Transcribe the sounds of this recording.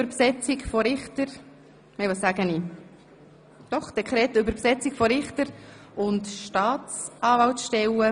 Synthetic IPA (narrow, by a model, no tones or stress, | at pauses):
bəɾpsɛt͡sikfɔɾɪχtəɾ | mɛɪʋɑːssæːɡəniː | d̥ɔχsɛkχɾɛːtʏbəɾpsɛt͡sikfɔɾɪχt̪əɾʊntʃtɑːtt͡sʔɑːvɑltʃtɛwə